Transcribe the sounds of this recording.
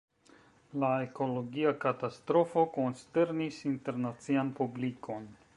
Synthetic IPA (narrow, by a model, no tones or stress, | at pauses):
lae̞ko̞lo̞ɡiakatastɾo̞fo̞ko̞nste̞ɾnisinte̞ɾnat͡sianpublikʰo̞n